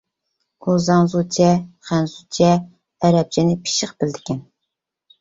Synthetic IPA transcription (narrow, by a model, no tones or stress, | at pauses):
uzɑŋzut͡ʃʰɛχænzut͡ʃʰɛː | ɾɛp̚t͡ʃʰinɪpʰi̥ʃɪχb̥ɪld̪ɪkʲʰɛn